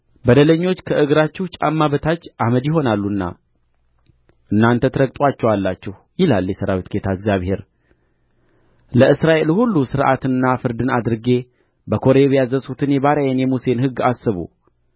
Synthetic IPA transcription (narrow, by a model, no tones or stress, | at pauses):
bəd̪ələɲːo̞t͡ʃːkʰəʔɨɡɾat͡ʃːɛht͡ʃʼa̰mːaβət̪ʰat͡ʃːʔaməd̪jɪɦo̞nalːuɨnːa̰ | ʔɨnːant̪ʰət̪ʰɾəkt̪ʼwat͡ʃːɛwalːat͡ʃːɛh | jɪlaljɛsəɾawit̪ɡe̞t̪ʰaɨɡzjaβhe̞ɾ | ləʔɨsɾaʔe̞lhulːusɨɾʔa̰t̪ɨnːafɨɾd̪ɨnad̪ɾɨɡe̞ | bəkʰo̞ɾeβjazəsut̪ʰɨnjɛβaɾajanjɛmuse̞nhɨɡːasːɨβṵ